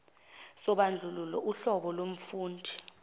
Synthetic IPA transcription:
sɔɓand͡ɮʱululɔʔuɬɔɓɔlom̩fuːndʱi

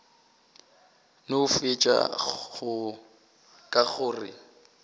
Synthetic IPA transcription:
nʊʊfɪt͡ʃʼa̰ɣʊ | kʼaɣʊːrɪ

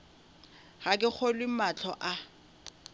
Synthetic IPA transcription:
ɣakʼɪk͡xʰɔlwɪmat͡ɬʰɔʔa

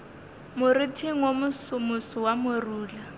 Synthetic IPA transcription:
mʊritʰiŋ̩womʊsʊmʊsʊwamʊruːla

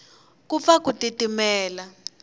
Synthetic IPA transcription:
kufakutʼitʼimɛːla

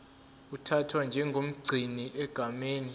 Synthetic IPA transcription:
utʰatʰwand͡ʒʱɛŋɡʱom̩ɡ͡ǀʱiniʔɛɡ̥ʱameːni

